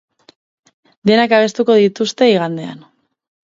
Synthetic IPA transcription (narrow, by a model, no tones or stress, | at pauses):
d̪e̞nakaβ̞e̞st̪uko̞ð̞it̪ust̪e̞iɣand̪e̞a̰n